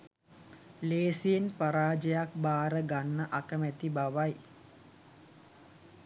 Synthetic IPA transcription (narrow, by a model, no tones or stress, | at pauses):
leːsijenpaɾaːd͡ʒəjak̚baːɾəɡanːəʔakəmæt̪ibaʋaj